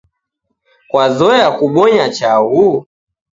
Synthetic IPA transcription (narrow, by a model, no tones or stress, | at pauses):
kwazɔjakuɓɔɲat͡ʃau